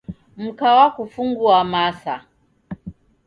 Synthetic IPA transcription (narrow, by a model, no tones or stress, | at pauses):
m̩kawakufuŋɡuamasa